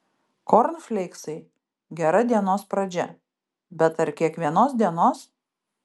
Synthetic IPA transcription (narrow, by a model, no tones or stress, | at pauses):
kɔɾnfʲlʲɛɪksɐɪ | ɡʲɛɾɐd̪ʲiɛnoːspɾɐd͡ʒʲɛ | bʲɛt̪ɐɾkʲiɛkʋʲiɛnoːs̬d̪ʲiɛnoːs